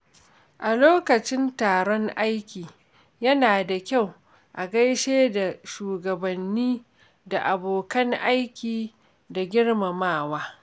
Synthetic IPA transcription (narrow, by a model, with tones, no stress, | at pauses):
ʔa˨loː˦kɐ˨t͡ʃɪ˦ntaː˨ɾɔ˦ŋʔa˦jkʲiː˨ | jɐ˦naː˨da˨kʲa˦˨w | ʔa˨ɡɐ˦jʃeː˦da˨ʃuː˨ɡɐ˨bɐ˨nːiː˦ | da˨ʔa˨boː˨kɐ˦ŋʔa˦jkʲiː˨ | da˨ɡʲɪ˦ɽma˨maː˦˨waː˦